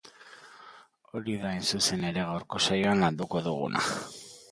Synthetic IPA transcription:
o̞ɾiðaensuse̞ne̞ɾe̞ɣawɾko̞sajoanland̪uko̞ðṵɣ̞ṵnʔa̰

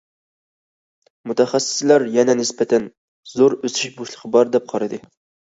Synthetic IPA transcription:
mut̪ʰɛχæsːɪ̥slæɾjɛnɛnɪspɛt̪ʰɛn | zoɾøsɪʃboʃlˠə̥qʰəbɑɾd̪ɛp̚qʰɑɾɨd̪ɨ

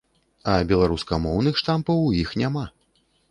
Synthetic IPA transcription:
ɐbʲɛlˠaɾuskɐmɔwn̪ɨxʂt̪ampɐwjixnʲama

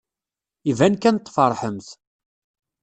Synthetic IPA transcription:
ivænkænt̪ˤːfɑɾˤħəmθ

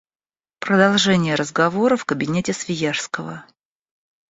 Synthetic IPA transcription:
pɾəd̪ɐlˠʐɛnʲɪjəɾəzɡɐvo̞ɾəfkəbʲɪnʲetʲɪsvʲɪjarskəvə̰

